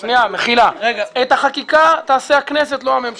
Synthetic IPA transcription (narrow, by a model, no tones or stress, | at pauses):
ʃnijameχilaɡet̪haχakikat̪aːseakneset̪loamemʃ